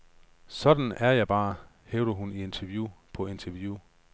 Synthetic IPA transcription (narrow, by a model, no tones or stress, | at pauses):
sɒ̽d̥n̩æɐjɑ̈ɪb̥ɑ̈ː | heːʊd̥əɦunie̝nt͡sʰɛɐʋjupʰɒ̽e̝nt͡sʰɛɐʋju